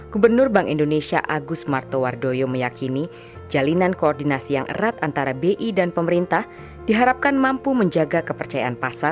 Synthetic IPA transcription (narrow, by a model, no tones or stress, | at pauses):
ɡ̥ubərnʊrbaŋʔindonesia̰ʔaɡʊsmart̪owardojoməjakini | d͡ʒalinankoɔrdinasijaŋʔə̰ɾat̪ant̪aɾabeʔidanpəməɾint̪ah | d̥iɦaɾap̚kanmampuməɲd͡ʒaɡakəpərt͡ʃajaanpasar